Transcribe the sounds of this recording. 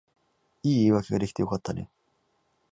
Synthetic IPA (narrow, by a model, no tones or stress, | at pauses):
iːβake̞ɡad̪eçi̥t̪e̞jo̞kat̪ʰːane̞̰